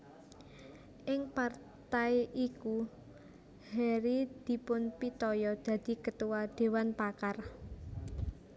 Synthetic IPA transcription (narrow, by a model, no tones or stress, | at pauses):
ʔɪŋpar | t̪ajʔiku | hɛɾid̪̥i̤pʊnpit̪ɔjɔd̪̥ä̤d̪̥i̤kət̪uwad̪̥e̤wanpakar